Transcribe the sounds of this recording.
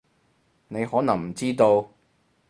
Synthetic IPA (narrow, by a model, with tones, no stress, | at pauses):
ne˨˧jhɔː˨˥nɐ˨˩ŋm̩˨˩t͡siː˥t̪o˧w